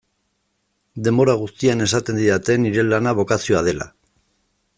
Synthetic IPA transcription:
d̪e̞mbo̞ɾaɣust̪iane̞sat̪e̞nd̪iɾat̪e̞niɾe̞lːanaβ̞o̞kasioað̞e̞la̰

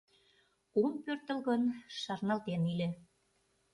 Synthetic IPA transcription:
umpørt̪ə̆lɣɤnʃɑrnɑlt̪enilʲĕ

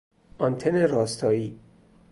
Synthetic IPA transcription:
ɒnt̪ʰeneɾɒːst̪ʰɒːiː

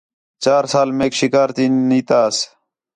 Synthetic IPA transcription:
t͡ɕaːɾsaːlmeːkʃikaːɾt̪iːniːt̪aːs

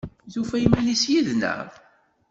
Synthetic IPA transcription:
ðufæjmænisjiðnə̰ɾˤ

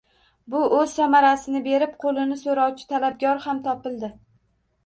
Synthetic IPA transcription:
bʊɵz̥samaɾasɪnɪbe̞ɾɪpqʰolˠɪnɪsoɾɒwt͡ʃʰɪ̥t̪ʰalab̚ɡʲɒɾhamt̪ʰɒpɪlˠd̪ɪ

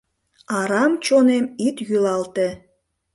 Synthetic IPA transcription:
ɑɾɑmt͡ɕonemit̪jylɑlt̪ĕ

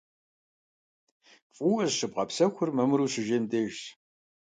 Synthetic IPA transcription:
fʼuːɐzʂɨb̚qɐpsɐxʷʊrmɐmɨɾuːɕɨʒeːmdeːʒt

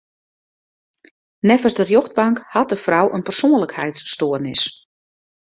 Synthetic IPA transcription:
nɛfərsdərjoxd̚baŋkhɑt̚dəfrɔwʔənpərsoːənləkhɛjtsːtoərnɪs

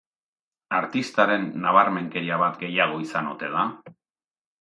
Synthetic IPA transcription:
aɾt̪ist̪aɾe̞nːaβ̞aɾme̞ŋke̞ɾiaβat̪ɡe̞jaɣ̞o̞isanot̪e̞ða

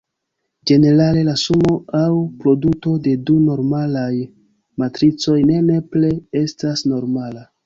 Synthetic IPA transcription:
d͡ʒe̞ne̞ɾale̞lasumo̞awpɾo̞duto̞de̞duno̞ɾmalaj | matɾit͡so̞jne̞ne̞ple̞estasno̞ɾmala

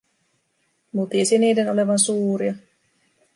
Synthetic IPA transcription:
mut̪iesiniːdenole̞ʋɑnsuːɾiɑ

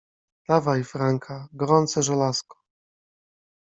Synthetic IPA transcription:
lavaifɾaŋkʰaɡɔɾɔnt̪sɛʐɛlaskɔ̥

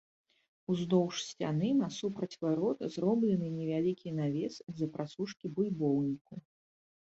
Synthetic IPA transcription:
uznɔwʂsʲt͡sʲa̰nɨnɐsupɾɐt͡sʲvaɾɔt̪ɐzɾɔblʲɛnɨnʲɛvʲalʲikʲinavʲɛsɐd̪zɐpɾʔasuʂkʲibulʲbɔwnʲiku

